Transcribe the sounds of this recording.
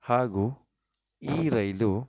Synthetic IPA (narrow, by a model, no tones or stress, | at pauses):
haːɡuː | iːɾɐjlu